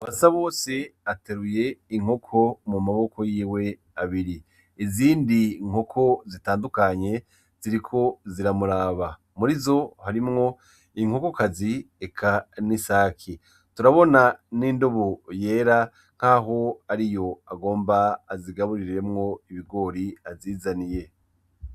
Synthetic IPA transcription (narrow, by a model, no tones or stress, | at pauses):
aβasaβo̞ːse̞ate̞ɾuje̞iŋ̥hokʰo̞mumaβo̞ko̞jiːwe̞ | aβiɾi | iziːndiŋ̥ho̞kʰo̞zitaːndukaɲe̞ | z̥iɾikʰo̞ziɾamuɾaːβa | muɾizo̞haɾimŋo̞ | iŋ̥hoko̞kazi | ekʰanisaːkʰi | tuɾaβo̞naniːndo̞βoje̞ːɾa | ŋ̥aːɦo̞aɾijo̞aɡo̞ːmbaːziɡaβuɾiɾɾe̞mŋo̞iβiɡo̞ːɾiaziːzanije̞